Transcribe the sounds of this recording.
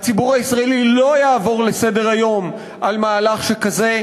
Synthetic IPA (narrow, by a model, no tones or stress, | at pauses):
at͡sibuʁaisʁaelilo̞jaːvo̞ʁle̞se̞de̞ʁajo̞m | ʔalmaːlaχʃekaze̞